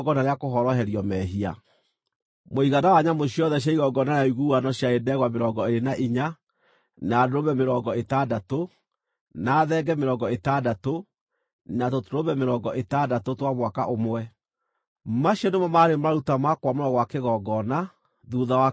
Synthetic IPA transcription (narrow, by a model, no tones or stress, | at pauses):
ɡɔnaɾeakoɦɔɾɔɦɛɾiɔmɛɦia̰ | moiɣanawaɲamoɕiɔðɛɕ̬jaiɣɔɡɔnanaiɣuanɔɕjaedɛɣwameɾɔɡɔeɾenaʔiɲa | nadoɾoβɛmeɾɔːɡɔetadato | naːðɛɡɛmeɾɔŋɡɔetadato | natotoɾoβɛmeɾɔɡɔʔetadatotwamwaka̰ʔomoɛ | maɕiɔnemɔmaɾemaɾutamakwamoɾɔɡɔwakeɣɔɡɔna | ðuðawa